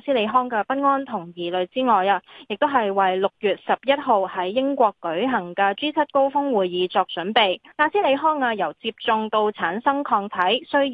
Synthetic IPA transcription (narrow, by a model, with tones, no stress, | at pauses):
siː˥le˨˧jɦɔː˥ŋkɛː˧pɐ˥t̚ŋɔː˥nt̪ʰʊ˨˩ŋjiː˨˩lɵ˨ɥt͡siː˥ŋɔː˨jaː˧jɪ˨k̚t̪o˥wɦɐ˨jwɐ˨jlʊ˨k̚jyː˨t̚sɐ˨p̚jɐ˥t̚ɦo˨whɐ˨˥jːɪ˥ŋkʷɔː˧kːɵ˨˥ɥɦɐ˨˩ŋkɛː˧t͡siː˥t͡sʰɐ˥t̚ko˥wfʊ˥ŋwuː˨jjiː˨˧˥t͡sɔː˧k̚t͡ʃɵ˨˥npe˨jt̪aː˧siː˥le˨˧jɦɔː˥ŋaː˧jɐ˨˩wt͡siː˧p̚t͡sʊ˨˧ŋt̪o˧wt͡sʰaː˨˥nsɐ˥ŋkʰɔː˧ŋt̪ʰɐ˨˥jsɵ˥